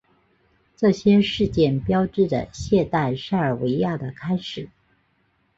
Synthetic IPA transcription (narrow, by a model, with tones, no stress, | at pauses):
ʈ͡ʂɤ˥˩ɕjɛ˥ʂɻ̩˥˧t͡ɕjɛ˥˩npjɑ˥ʊʈ͡ʂɻ̩˥˩d̪ə̰˨ɕjɛ˥˧t̪a˥˩ɪʂa˥ɪə˞˨˩we˧˥ɪja˥˩d̪ə˩kʰa˥ɪʂɻ̩˨˩˦